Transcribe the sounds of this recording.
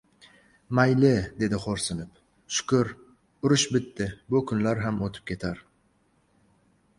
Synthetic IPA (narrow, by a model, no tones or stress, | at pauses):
majlɪd̪e̞d̪ɪχoɾsɪnɪp | ʃʊ̥kʊɾ | ʊɾʊʃbɪt̪ːɪbʊkʰʊnlaɾɦamot̪ʰɪ̥p̚kʲʰe̞t̪ʰaɾ